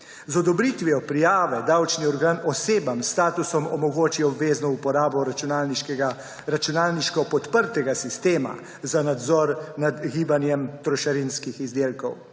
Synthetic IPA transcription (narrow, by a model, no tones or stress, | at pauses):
zɔd̪ɔbɾit̪ʋiɔpɾijaːʋɛd̪awt͡ʃniɔɾɡaːnɔseːbamst̪aːt̪usɔmɔmɔɡoːt͡ʃiɔbʋeːznɔupɔɾaːbɔ | ɾat͡ʃunaːlniʃkɔpɔt̪pəɾt̪ɛɡasist̪eːma̰ | zanad̪zɔɾnad̪ɡiːbanjɛmt̪ɾɔʃaɾinskixizd̪eːlkɔw